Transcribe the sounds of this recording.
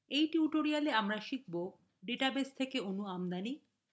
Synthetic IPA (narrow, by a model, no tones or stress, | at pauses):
ejʈiuʈoɾialeamɾaʃik̚bo | ɖeʈabest̪ʰekeunuamd̪ani